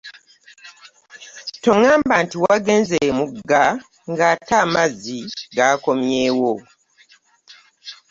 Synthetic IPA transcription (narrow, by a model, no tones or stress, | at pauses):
to̞ŋaːmbantiwaɡe̞ːnzemuɡːa | ŋɡataːmaziɡaːko̞mjeːwo